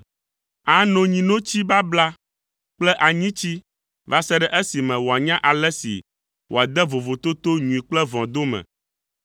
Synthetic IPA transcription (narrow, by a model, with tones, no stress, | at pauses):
a˦nɔ̃˦ɲĩ˨nõ˦t͡ɕi˦ba˦bla˦ | k͡plɛ˦ʔa˨ɲĩ˦t͡ɕi˦ | va˦sɛ˦ɖɛ˨ʔe˦si˨mɛ̃˨wo˨a˨ɲã˦ʔa˨lɛ˦sḭ˨ | wo˨a˨d̪ɛ˦vo˨vo˨t̪o˦t̪o˦ɲũ˨i˨k͡plɛ˦vɔ̃˨d̪o˦mɛ̰̃˨